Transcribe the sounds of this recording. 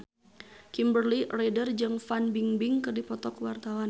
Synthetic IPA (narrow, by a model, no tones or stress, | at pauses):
kimbərliredərd͡ʒɨŋfanbiŋbiŋkɨrdipɔt̪ɔkwart̪awan